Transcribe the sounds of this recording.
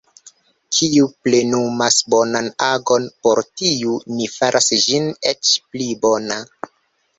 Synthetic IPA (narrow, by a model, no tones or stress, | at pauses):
kʰiuplenumasbo̞nanaɡo̞npoɾtiunifaɾʔasd͡ʒinet͡ʃplibona